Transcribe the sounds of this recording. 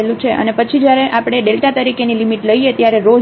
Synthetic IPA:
elũt͡ʃʰeʔə̰nepət͡ʃʰid͡ʒjaɾeʔapɽ̃eɖelʈat̪əɾikenilimiʈləiet̪jaɾeɾod͡ʒ

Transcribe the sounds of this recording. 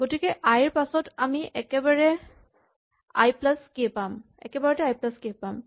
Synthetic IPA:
ɡotikɛʔajɹpasɔtamiʔɛkɛbaɹɛ | a̰jplaskipam | ɛ̰kɛbaɹɛtɛajplaskipam

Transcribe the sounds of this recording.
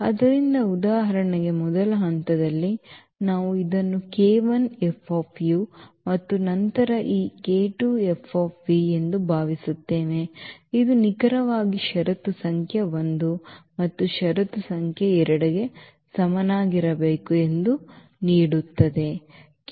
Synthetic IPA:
ɐd̪ɐɾind̪ɐud̪aːɦɐɾɐɳɐɡe̞mɔd̪ɐlɐɦɐnt̪ɐd̪ɐlːi | naːʋuid̪ɐnːukeːʋɐnepʰːoːpʰjumɐt̪ːunɐnt̪ɐɾɐʔiːkeːʈuepʰːoːpʋie̞nd̪ubʱaːʋisut̪ːe̞ːʋe̞id̪unikɐɾɐʋaːɡiʃɐɾɐt̪usɐŋkʰjɐʋond̪umɐt̪ːuʃɐɾɐt̪usɐŋkʰjɐɛɾɐɽɐɡe̞ | sɐmɐnaːɡiɾɐbeːkue̞nd̪u | niːɽut̪ːɐd̪e̞

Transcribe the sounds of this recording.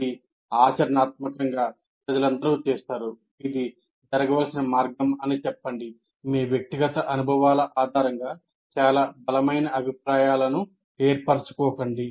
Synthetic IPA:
ii | aːt͡ʃɐɾɐnaːt̪̚mɐkɐŋɡaː | pɾɐd͡ʒɐlɐnd̪ɐɾut͡ʃɛːst̪aːɾu | id̪i | d͡ʒɐɾɐɡɐʋɐlsinɐmaːɾɡɐmɐnit͡ʃɛpːɐɳɖi | miːʋjek̚t̪iɡɐt̪ɐʔɐnubʱɐʋaːlɐʔaːd̪ʱaːɾɐŋɡaː | t͡ʃaːlaːbɐlɐmɐjnɐʔɐbʱipɾaːjaːlɐnu | eːɾpɐɾt͡ʃu̥kɔːkɐɳɖi

